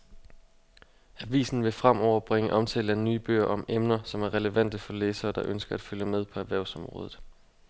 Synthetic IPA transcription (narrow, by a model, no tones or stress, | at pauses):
æʋḭːsn̩ʋe̝fʁam̰ʔɒʊ̰ɐb̥ʁeŋəʔɒ̽mt͡sʰɛ̰ːləænyːb̥ø̰ːɐ̰ʔɒ̽memnɐsɒ̽mæɐʁɛləʋæn̰d̥əfɒ̽leːsɐːd̥ɑ̈ʔønsɡ̥ɐæd̥fyləmeð̞ˠpʰɒ̽æʋæɐʊsɒ̽mʁɔ̽ːðˠð̩ˠ